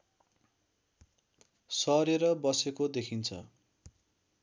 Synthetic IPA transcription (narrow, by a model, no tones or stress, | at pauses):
sʌɾeɾʌbʌsekod̪ekʰint͡sʰʌ̰